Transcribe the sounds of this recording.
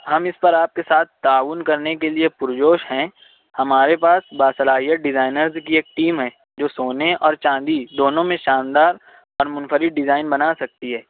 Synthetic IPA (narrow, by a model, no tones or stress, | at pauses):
hɐmɪspɐɾaːp̚kesaːt̪̚ʰt̪aːʋʊnkɐɾnekeliepʊɾd͡ʒoːʃɦɛ̃ | hɐmaːɾepaːsbaːsɐlaːɦijəʈ̚ɖɪzaːɪnəɾzkieːk̚ʈiːmɦɛ̃ː | d͡ʒoːsoːneɔːɾt͡ʃãːd̪id̪oːnõmẽʃãːnd̪aːɾ | ɔːɾmʊnfəɾɪʈ̚ɖɪzaːɪnbɐnasɐk̚t̪iɦɛː